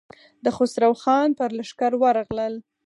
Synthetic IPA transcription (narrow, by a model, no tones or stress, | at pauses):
d̪əxosɾawxɑnpəɾlaʂkaɾwaɾɑɣləl